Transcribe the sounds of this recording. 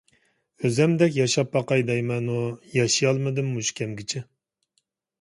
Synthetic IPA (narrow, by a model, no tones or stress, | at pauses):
øzɛmd̪ɛkʲjɑʃɑpːɑqɑjd̪ɛjmɛnujɑʃijɑlˠmɨd̪ɨmːuʃkʲʰɛmɡʲɪt͡ʃʰɪ